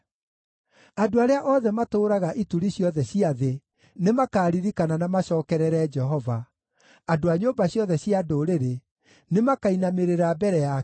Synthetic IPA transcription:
adoaɾeaʔɔðɛmatoːɾaɣaʔituɾiɕiɔðɛɕiaðe | nemakaːɾiɾikananamaɕɔːkɛɾɛɾɛd͡ʒɛɦɔva | adoaɲobaɕjɔðɛɕiadoɾeɾe | nemakainameɾeɾabɛɾɛja

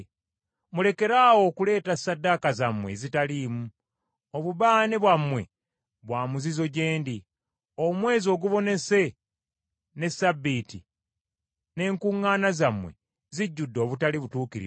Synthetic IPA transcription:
mule̞ke̞ɾaːwo̞ːkule̞ːtasadːakazamwe̞̰zitalimu | oβuβaːneβwamwe̞ | βwaːmuzizo̞ɟe̞ːndi | o̞mwe̞ːzo̞ːɡuβo̞ne̞se̞ | ne̞sabːiti | ne̞ːŋkuŋːaːnazamwe̞̰ | ziɟːudːo̞ːβutaliβutuːkiɾḭ

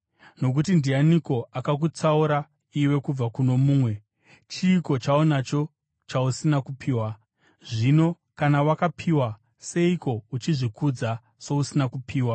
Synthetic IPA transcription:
no̞k̬utindianiko̞ʔakak̬ut͡sauɾa | iwe̞kub͡vakuno̞muːmwe̞ | t͡ʃiːko̞t͡ʃaonat͡ʃo̞ | t͡ʃausinakupʰiːwa | ʐino̞ | kanawakapʰiwa | se̞iko̞ut͡ʃiʐikud͡za | so̞usinakupʰiːwa

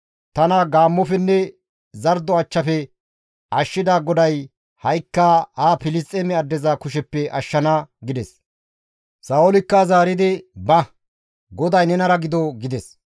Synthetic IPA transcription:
t̪ɐnɐɡaːmːɔfɛnːɛ | zɐɾd̪ɔɐt͡ʃːɐfɛ | ʔɐʃːɪd̪aːɡɔd̪ɐj | hɐjkːaːhaːpɪlɪst̪ʼeːmɛɐd̪ːɛzɐkʊʃɛpːɛʔɐʃːɐnaɡɪd̪ɛs | saːɔlɪkːɐzaːɾɪd̪ɪbɐ | ɡɔd̪ɐjnɛnɐɾɐɡɪd̪ɔɡɪd̪ɛs

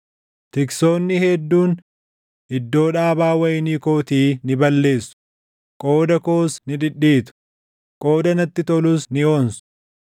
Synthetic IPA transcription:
t̪ɪkso̞ːnːɪhɛd̪ːuːn | ɪd̪ːo̞ːᶑaːbaːwɐjniːkoːt̪iːnɪbɐlːe̞ːsːʊ̥ | kʼoːd̪ɐkoːsnɪᶑɪᶑːiːt̪ʊ̥ | kʼo̞ːd̪ɐnɐt̪ːɪt̪ɔlʊsnɪo̞ːnsʊ̥

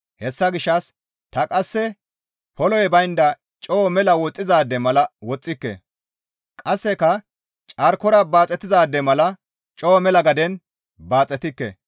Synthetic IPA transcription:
hɛsːɐɡɪʃːɐs | t̪ɐkʼɐsːɛ | pɔlɔjɛbɐjnd̪ɐ | t͡ʃʼoːmɛlɐwɔt͡sʼːɪzaːd̪ːɛmɐlɐwɔt͡sʼːɪkːɛ̰ | kʼɐsːɛkɐ | t͡ʃʼɐɾkɔɾɐbaːt͡sʼɛt̪ɪzaːd̪ːɛmɐlɐ | t͡ʃʼoːmɛlɐɡɐd̪ɛn | baːt͡sʼɛt̪ɪkːɛ̰

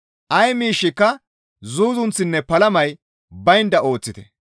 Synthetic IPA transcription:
ʔɐjmiːʃːɪkːɐ | zuːzʊnt͡sːɪnːɛpɐlɐmɐj | bɐjnd̪ɐo̞ːt͡sːɪt̪ɛ̥

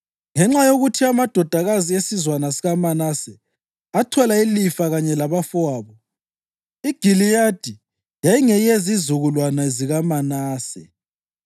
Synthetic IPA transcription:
ŋɛŋ͡ǁajoɣutʰiamad̥ʱɔd̥ʱaɣaziesizwanasiɣamanasɛ | atʰɔlailifaɣaɲɛlaβafɔaːβɔ | iɡ̥ʱilijad̥ʱi | jajiŋɛjezizuɣulwanaziɣamanaːsɛ̰

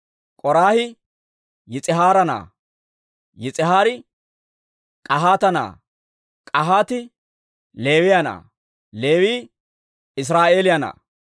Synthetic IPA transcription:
kʼɔɾaːhɪ | jɪt͡sʼɪɦaːɾɐna̰ː | jɪt͡sʼɪɦaːɾɪ | kʼɐɦaːt̪ɐna̰ː | kʼɐɦaːt̪ɪ | le̞ːwɪjɐna̰ː | le̞ːwiː | ɪs̬ɾaːʔe̞ːlɪjɐna̰ː

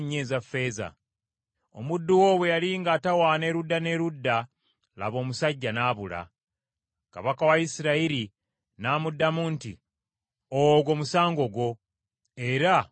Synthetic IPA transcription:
ɲːezafːe̞ːza̰ | o̞̰mudːuwoβwejaliːŋɡaːtawaːne̞ːɾudːane̞ɾudːa | la̰βo̞ːmusaɟːanaːβula̰ | ka̰βakawaisiɾaiɾi | naːmudːamuntḭ | oɡo̞musaːŋɡo̞ɡwo̞ | e̞ɾa

